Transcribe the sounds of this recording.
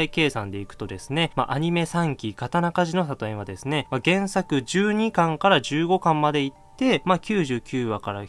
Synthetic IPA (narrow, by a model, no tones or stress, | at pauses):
ike̞ːsãnd̪e̞ikɯ̟̥t̪o̞d̪e̞sɨ̥ne̞maʔaɲ̟ime̞sãŋkʲikat̪anakaʑino̞s̬at̪o̞ẽβad̪e̞sɨne̞maɡẽ̞ɰ̃sakɯ̟d͡ʑɨːɲ̟ikãŋkaɾaʑɨːɡo̞kãmːad̪e̞it̪ːe̞makʲɨːʑɨːkʲɨːβakaɾa